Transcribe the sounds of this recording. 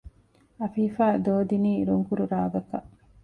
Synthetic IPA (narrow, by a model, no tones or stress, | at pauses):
ɐfiːfæːd̪oːd̪iniːɾuŋkuɾuɾaːɡɐkɐʔ